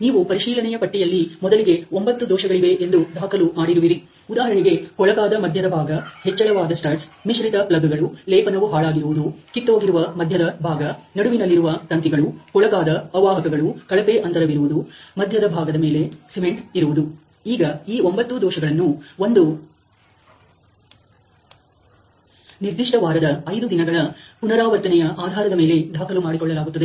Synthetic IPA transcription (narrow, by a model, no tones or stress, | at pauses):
niːʋupɐɾiʃiːlɐnɛjɐpɐʈːijɐlːimɔd̪ɐliɡe̞ombɐt̪ːud̪ɔːʃɐɡɐɭiʋe̞ʔend̪ud̪ʱaːkɐlumaːɽiɾuʋiɾi | ud̪aːɦɐɐɳiɡe̞kɔɭɐɡaːd̪ɐmɐd̪ʱjɐd̪ɐbʱaːɡɐhɛt͡ʃːɐɭɐʋaːd̪ɐsʈɐɾʈsmiʃɾit̪ɐplɐɡɐɡɐɭulɛːpɐnɐʋuɦaːɭaːɡiɾuʋud̪ukit̪ːoːɡiɾuʋɐmɐd̪ʱjɐd̪ɐbʱaːɡɐnɐɽuʋinɐlːiɾuʋɐt̪ɐnt̪iɡɐɭuhɔɭɐkaːd̪ɐɐʋaːɦɐkɐɡɐɭukɐɭɐpeʔɐnt̪ɐɾɐʋiɾuʋud̪umɐd̪ʱjɐd̪ɐbʱaːɡɐd̪ɐme̞ːle̞seme̞ɳʈiɾuʋud̪u | iːɡɐiːo̞mbɐt̪ːud̪ɔːʃɐɡɐɭɐnːuo̞nd̪u | niɾd̪iʂʈɐʋaːɾɐd̪ɐːjd̪ud̪inɐɡɐɭɐpunɐɾaːʋɐɾt̪ɐnɛjɐʔaːd̪ʱaːɾɐd̪ɐme̞ːle̞d̪ʱaːkʰɐlumaːɽikɔɭːɐlaːɡut̪ːɐd̪e